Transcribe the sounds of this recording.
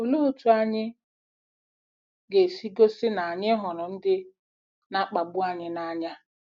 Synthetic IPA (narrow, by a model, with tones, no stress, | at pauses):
o˨lu˦u˦tu˨a˦ɲɪ˦ | ɡe˨si˦ɡo˦sɪ˦na˨a˨ɲɪ˦ɦɔ˨nɔ˨n̩˦dɪ˦ | na˦k͡pa˨ɡ͡bʊ˦a˨ɲɪ˦na˦ɲa˦